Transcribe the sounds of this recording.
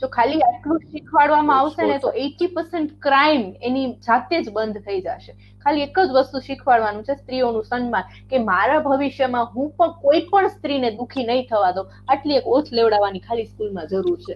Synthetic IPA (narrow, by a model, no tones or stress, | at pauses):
t̪okʰaliaʈlũʃikʰʋaɭʋamãaʋʃenet̪oʔeʈipəɾseɳʈkɾaimenid͡ʒat̪ed͡ʒbənd̪ʱt̪ʰəid͡ʒa̰ʃe | kʰaliekəd͡ʒʋəst̪ũʃɪkʰʋaɭʋanũt͡ʃʰest̪ɾionũsənmãn | kemaɾabʱəʋiʃjəmãɦũpəɳkoipəɳst̪ɾined̪ukʰinəɦĩt̪ʰəʋad̪o | aʈliekot͡ʃʰleʋɽaʋanikʰaliskilmãd͡ʒəɾuɾt͡ʃʰe